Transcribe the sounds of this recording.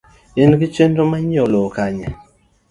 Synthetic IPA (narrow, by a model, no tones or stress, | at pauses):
enɡit͡ʃendomaɲolokaɲa